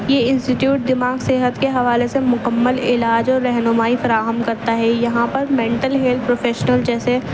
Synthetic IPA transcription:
jeɪ̃nsʈɪʈjuːʈ̚d̪ɪmaːɡseːɦət̪keɦɐʋaːlesemʊkəmːəlɪ̰laːd͡ʒɔːɾːɛɦnʊmaːifɐɾaːɦəmkɐɾt̪aɦɛjɐɦãpɐɾmẽːɳʈəlɦeːld̪̚pɾoːfʰeːʃənəld͡ʒɛːse

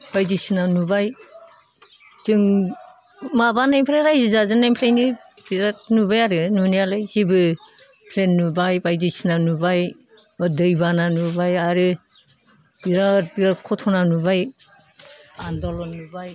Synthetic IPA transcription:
bajdisinanubaj | zɯŋ | mabanajpʰɾajɾajzizazɯnajpʰlejni | biɾat̚nubajaɾɯnunialɯjzibɯ | pʰlenːubajbajdisinanubaj | ɔdɯjbananubajaɾɯ | b̥iɾat̚biɾat̚kʰɔtʰɔnanubaj | andɔlɔnːubaj

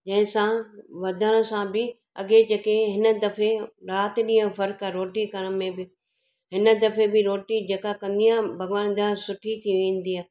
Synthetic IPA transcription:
d͡ʒɐ̃ɦɪ̃sãʋɐd̪ʱəɽ̃ə̆sãbɪ | ɐ̰ɡed͡ʑeːkeɦɪnə̆d̪ɐfeɾaːt̪ɗĩjə̃fɐɾkaɾoːʈikɐɽ̃̆mẽbɪ | ɦɪnə̆d̪ɐfebɪɾoːʈid͡ʑeːkakɐ̃nd̪ijãbʱɐɡʋaːnd̪ãsʊʈʰit̪ʰiʋẽːn̆d̪iaː

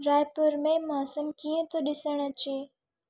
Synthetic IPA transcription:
ɾaːjpʊɾmẽmaːsəmkiːə̃t̪ʰoɗɪsəɽ̃ɐt͡ɕeː

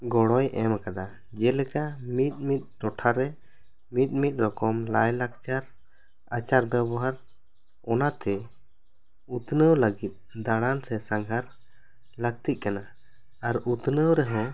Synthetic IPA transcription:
ɡɔɽɔjɛmkad̪a | d͡ʒɛlɛkamit̪̚ˀmit̪̚ˀɾɔʈʰaɾɛ | mit̪̚ˀmit̪̚ˀɾɔkɔmlajlak̚t͡ʃaɾ | at͡ʃaɾbɛbɔɦaɾ | ɔnat̪ɛ | ut̪nəwləɡit̪̚d̪aɽansɛsãŋɡʱaɾ | lək̚t̪it̪̚kana | aɾut̪nəwɾɛɦɔ̃

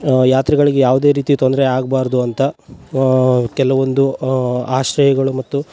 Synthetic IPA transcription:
jaːt̪ɾɛɡɐɭiɡejaːʋud̪e̞ːɾiːt̪it̪ond̪ɐɾeaːɡbaːɾd̪uɐnt̪ɐ | kɛlɐʋo̞nd̪uaːʃɾɐjɐɡɐɭumɐt̪ːu

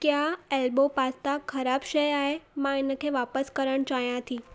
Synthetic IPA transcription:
kjaːelbopast̪akʰɐɾaːbʃəjaːɦemãɪnəkʰeːʋaːpəskəɾəɽ̃t͡ʃaːɦijãt̪ʰĩ

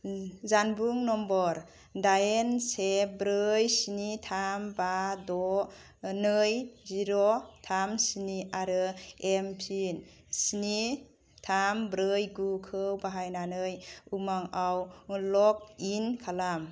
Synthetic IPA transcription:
zanbuŋnɔmbɔɾ | dajensebɾɯjsinitʰambadɔ | nɯjziɾɔtʰamsiniʔaɾɯempʰin | sini | tʰambɾɯjɡukʰɯwbaɦajnanɯjumaŋawlɔk̚inkʰalam

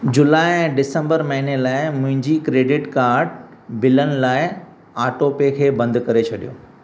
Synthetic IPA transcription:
d͡ʑʊlaːɪɛ̃ːɖɪsə̃mbəɾmɐɦinelaːɪmʊ̃ɦɪ̃ɲd͡ʑikɾeːɖɪʈkaːɾɖbɪlənɪ̆laːɪ | aːʈoːpekʰeːbɐ̃nd̪kɐɾet͡ɕʰɐɗijo̰ː

